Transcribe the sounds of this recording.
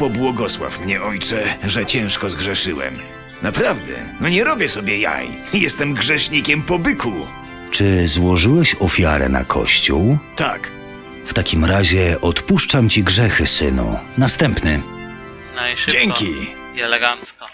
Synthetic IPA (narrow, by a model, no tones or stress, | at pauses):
pɔbwɔɡɔswa̰fmɲɛɔjt͡ʂɛʐɛt͡ɕɛ̃w̃ʂkɔzɡʐɛʂɨwɛ̰m | napɾavd̪ɛ̰nɔɲɛɾɔbʲjɛsɔbʲjɛja̰j | jɛst̪ɛmɡʐɛʂɲikʲɛmpɔbɘku | t͡ʂɘzwɔʐɘwɛɕɔfʲjaɾɛ̰na̰kʰɔ̰ɕt͡ɕuwt̪a̰k | ft̪akʲimɾaʑɛʔɔt̪puʂt͡ʂamt͡ɕiɡʐɛxɘsɘnṵnast̪ɛmpnɘ | d͡ʑɛŋkʲi | ɡan